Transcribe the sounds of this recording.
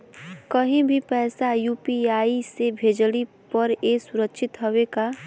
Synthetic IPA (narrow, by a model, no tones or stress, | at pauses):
kəɦĩbʱipɛːsajuːpiaːisebʱeːd͡ʒli | pəɾeːsʊɾəkʃʰɪt̪ɦəweka